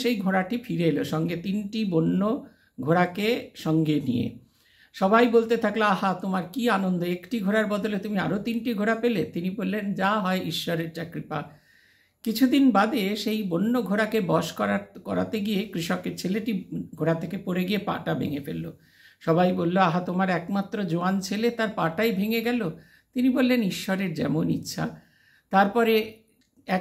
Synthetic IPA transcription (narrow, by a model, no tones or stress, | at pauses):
ʃejɡʱoɾaʈifiɾeeloʃɔŋɡet̪inʈibonːo | ɡʱoɾakeʃɔŋɡenḭjḛ | ʃɔbajbolt̪et̪ʰakloaɦat̪omaɾkianond̪oekʈiɡʱoɾaɾbɔd̪olet̪umiaɾot̪inʈiɡʱoɾapelet̪inibolːend͡ʑaɦɔeʔiʃːɔɾeɾd͡ʑakɾipa | kit͡ɕʰud̪inbad̪eʃejbonːoɡʱoɾakebɔʃkɔɾakɔ̰ɾa̰t̪eɡijekɾiʃɔkeɾt͡ɕʰeleʈiɡʱoɾat̪ʰekepoɾeɡijepa̰ʈabʱḛŋefḛlːo̰ | ʃɔbajbolːoaɦat̪omaɾɛkmat̪ːɾod͡ʑoant͡ɕʰelet̪aɾpaʈajbʱeŋeɡɛlo | t̪inibolːeniʃːɔɾeɾd͡ʑɛ̰monḭtːɕʰa̰ | t̪aɾpɔɾe | ɛ